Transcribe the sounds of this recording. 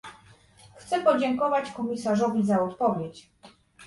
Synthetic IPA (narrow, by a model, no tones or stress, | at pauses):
xt̪sɛpɔd͡ʑɛŋkɔvat͡ɕkɔmʲisaʐɔvʲizaɔt̪pɔvʲjet͡ɕ